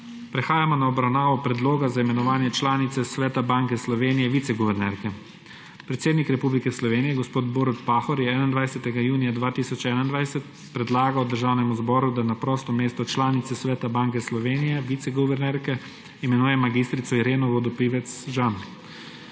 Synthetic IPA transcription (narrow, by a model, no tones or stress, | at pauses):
pɾɛxaːjamɔnaɔbɾawnaːʋɔpɾɛd̪loːɡazaimɛnɔʋaːnjɛt͡ʃlaːnit̪sɛsʋɛːt̪abaŋkɛslɔʋeːnijɛʋit̪sɛɡɔʋɛɾnɛɾkɛ | pɾɛt̪seːd̪nikɾɛpublikɛslɔʋeːnijɛɡɔspoːt̪boːɾut̪paxɔɾjɛɛnand̪ʋajsɛt̪ɛɡajuːnijad̪ʋaːt̪iːsɔt͡ʃɛːnaind̪ʋajsɛt̪ | pɾɛd̪laːɡawd̪əɾʒaːwnɛmuzbɔːɾud̪anapɾɔːst̪ɔmeːst̪ɔt͡ʃlaːnit̪sɛsʋɛːt̪abaːŋkɛslɔʋeːnijɛʋit̪sɛɡɔʋɛɾnɛɾkɛ | imɛnuːjɛmaɡist̪ɾit̪sɔiɾeːnɔʋɔd̪ɔpiʋɛt̪sʒan